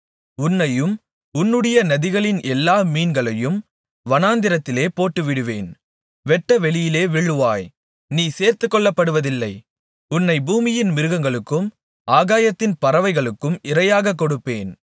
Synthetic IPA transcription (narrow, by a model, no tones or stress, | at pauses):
ʊnːɐjɯm | ʊnːɯɽɐjɐnɐðɪɣɐɭɪnʔɛlːaːmiːnɡɐɭɐjɯm | ʋɐnaːnd̪ɪɾɐt̪ːɪleːpoːʈːɯʋɪɽɯʋeːn | ʋɛʈːɐʋɛɭɪjɪleːʋɛɭːɯʋaːj | niːseːɾt̪ɯkːɔɭːɐpːɐɽɯʋɐðɪlːɐɪ | ʊnːɐɪbuːmɪjɪnmɪɾɯɣɐŋɡɐɭɯkːɯm | ʔaːɣaːjɐt̪ːɪnpɐɾɐʋɐɪɣɐɭɯkːɯmɪɾɐjaːɣɐk̬ːɔɽɯpːeːn